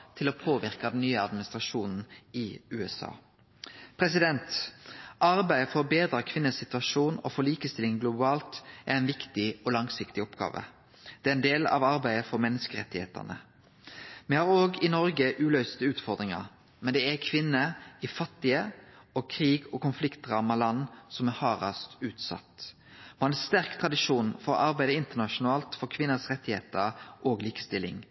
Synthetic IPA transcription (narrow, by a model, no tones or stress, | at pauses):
t̪ʰɪlɔpʰoːʋɪɾkɑd̪ɛn̩ːyːəɑd̪mɪnɪst̪ɾʁɑʃuːnn̩ɪʉːɛsɑ̰ː | pʰɾɛs̬ɪd̪ɛnt̪ʔɑɾbæɪəfɔɾɔbeːd̪ɾɑkʰʋɪnːəsɪt̪ʉʋɑʃuːnɔ̰fɔlɭiːkəst̪ɪlɪŋɡlʊbɑːlt̪ʔæɾɛɪnʋɪkt̪ɪɔlɑŋsɪkt̪ɪɔpɡɑ̰ːʋə̰ | d̪̥ɛːæɾɛnd̪eːlɑ̰ʋɑɾbæɪəfɔɾmɛnːəskəʁɛt̪ːɪhḛːt̪æ̰nə̰ | mɛhɑɾoːɡɪnɔɾɡəʔʉːlœʏst̪əʉːt̪fɔʁd̪ɾɪŋɑ̰ɾ | mɛnd̪ɛækʰʋɪnːəɪfɑt̪ːɪəɔːkʰɾiːɡɔkʰʊnflɪkt̪ʁɑːmɑlɑnːsɔmæhɑːɾɑst̪ʉːt̪sɑ̰t̪ | mɔhɑnæst̪æʁkt̪ʰʁɑd̪ɪʂuːnfɔɾɔ̰ʔɑɾbæɪd̪əɪnt̪əʁnɑʃʊnɑːlt̪fɔɾkʰʋɪnːəsʁɛt̪ːɪhḛːt̪əɾʔoːɡliːkə̥st̪ɪlːɪ̰ŋ